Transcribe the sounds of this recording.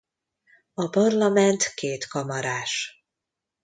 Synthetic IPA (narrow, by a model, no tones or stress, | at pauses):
ɒpɒrlɒmɛnt̪keːt̪kɒmɒɾaːʃ